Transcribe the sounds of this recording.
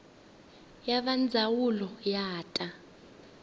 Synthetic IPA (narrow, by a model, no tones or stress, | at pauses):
jaɓand͡zʱawulɔjaːtʼa